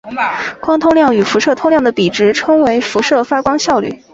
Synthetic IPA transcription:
kwɑ˥ŋt̪ʰʊ˥ŋljɑ˥˩ŋy˨˩fu˧˥ʂɤ˥˧t̪ʰʊ˥ŋljɑ˥˩ŋd̪ə˩pi˨˩ʈ͡ʂɻ̩˧˥ʈ͡ʂʰɤ˥ŋwe˧˥ɪfu˧˥ʂɤ˥˩fa˥kwɑ˥ŋɕjɑ˥˧ʊly̰˥˩

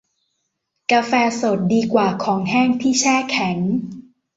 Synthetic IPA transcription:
kaː˧fɛː˧so˨˩t̪̚diː˧kwaː˨˩kʰɔː˩˦ŋhɛː˥˩ŋt̪ʰiː˥˩t͡ɕʰɛː˥˩kʰɛ˩˦ŋ

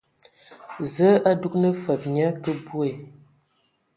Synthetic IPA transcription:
zə˨˦ʔa˦du˦k̚nə˦fə˨p̚ɲə˦kə˦bu˦e˨

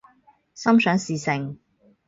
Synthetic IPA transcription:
sɐ˥msœː˨˥ŋsiː˨sɪ˨ŋ

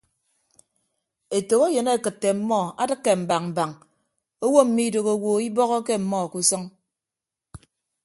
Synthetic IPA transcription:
e˨to˨ɣo˦je˨ne˦˨kɨ˨tːe˨m̩˦mɔ˦˨a˦dɨ˦kːe˨m̩˨ba˨ŋm̩˨ba˨ŋ | o˦wo˦m̩˨mi˦do˨ɣo˦wo˦i˦bɔ˦ɣɔ˦ke˦m̩˨mɔ˦˨ku˦sɔ˦ŋ

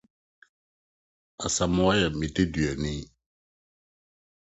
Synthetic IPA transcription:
a̰˨sa˨mʊ̃˨˦a˦jɛ˨mĩ˨te˦dɥɛ˨nĩ˦

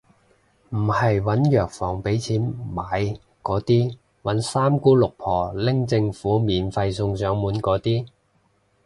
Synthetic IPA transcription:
m̩˨˩hɐ˨jwɐ˨˥njœː˨k̚fɔː˨˩ŋpe˨˥jt͡sʰiː˨˥nmaː˨˥j | kɔː˨˧˥t̪iː˥ | wɐ˨˥nsaː˥mkuː˥lʊ˨k̚pʰɔː˨˩lɪ˥ŋt͡sɪ˧ŋfuː˨˥miː˨˧nfɐ˧jsʊ˧ŋsœː˨˥ŋmuː˨˥nkɔː˨˥t̪iː˥

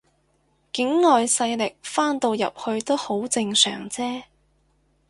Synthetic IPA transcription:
kɪ˨˥ŋːɔː˨jsɐ˧jlɪ˨k̚faː˥nt̪o˧wjɐ̰˨p̚hɵ˧ɥt̪o˥who˨˥wt͡sɪ˧ŋsœ̰ː˨˩ŋt͡sɛː˥

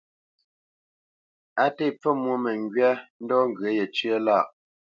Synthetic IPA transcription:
a˦te˦˨p͡fə˦mwo˦˨mɛ˨ŋ˨ɡɥɛ˦n̩˦dɔː˦ŋ̩˨ɡə˨˦je˨t͡ʃɥə˦la˦˨ʔ

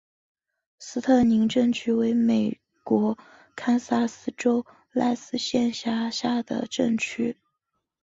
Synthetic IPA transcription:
sɹ̩˥t̪ʰɤ˥˩ni˧˥ŋʈ͡ʂɤ˥˧ŋt͡ɕʰy˥we˧˥ɪme˨˩ɪ | kwɔ˧˥ | kʰa˥nsa˥sɹ̩˥ʈ͡ʂo˥ʊ | la˥˧ɪsɹ̩˥ɕjɛ˥˧nɕja˥˩ɕja˥˩d̪ə̰˩ʈ͡ʂə˥˩ŋt͡ɕʰy˥

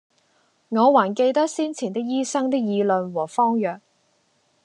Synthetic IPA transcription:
ŋɔː˨˧waː˨˩nke˧jt̪ɐ˥k̚siː˥nt͡sʰiː˨˩nt̪ɪ˥k̚jiː˥sɐ˥ŋt̪ɪ˥k̚jiː˨˧lɵ˧nwɔː˨˩fɔː˥ŋjœː˨k̚

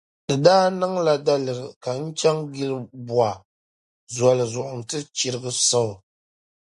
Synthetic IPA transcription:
dɨ˨daː˦nɨ˦ŋla˨da˦lɨ˨ɾɨ˨ka˨n̩˦t͡ʃa˦ŋɡi˦lɨ˦bu˨a˨ | za˨lɨ˨zʊ˨ʔʊ˨n˨tɨ˦t͡ʃi˨ɾɨ˦ɡɨ˦sa˦˨

